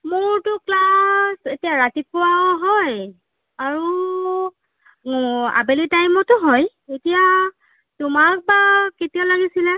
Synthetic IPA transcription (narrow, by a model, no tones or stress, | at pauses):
mʊɹtʊklasetijaɹatipʊwawɦɔj | aɹu | a̰belitajmɔtʊɦɔj | etija | tʊmak̚baketijalaɡisilɛ